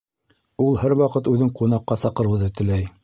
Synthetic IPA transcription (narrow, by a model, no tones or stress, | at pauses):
ulˠhæɾwɑqɤt̪ʉðɘŋqunɑqːɑsɑqɤ̆ɾɤ̆wðɤt̪ɘ̆læj